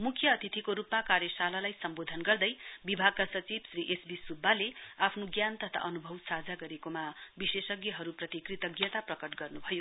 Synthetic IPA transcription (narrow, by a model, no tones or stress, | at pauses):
mukʰjʌːt̪ʰit̪ʰikoɾupmakaɾjʌsalalajsʌmbod̪ʱʌnɡʌrd̪ʌjbibʱaɡ̚kasʌt͡sibsriʔesbisubʱːaleapʰnoɡjant̪ʌt̪ʰa̰ʔʌnubʱʌwsad͡zaɡʌɾekomabisesʌɡjʌɦʌɾuprʌt̪ikrit̪ʌɡjʌt̪aprʌkʌʈɡʌrnubʱʌjo